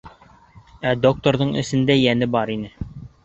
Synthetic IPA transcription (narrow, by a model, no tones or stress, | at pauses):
æd̪ok̚t̪oɾðɤɴɘ̰̆sɘ̆nd̪æjænɘbɑɾinɘ